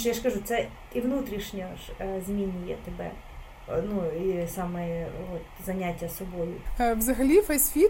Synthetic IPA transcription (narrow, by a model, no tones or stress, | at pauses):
ʃojaskɐʐut̪sɛ | ivnut̪ɾʲiʂnʲeʂzmʲinʲijɛ̰t̪ɪbɛ̰ | nuisamɨjəvot̪zɐnʲatʲɪjɐsʊbojʊvzɐɣlʲifɐsʲfʲi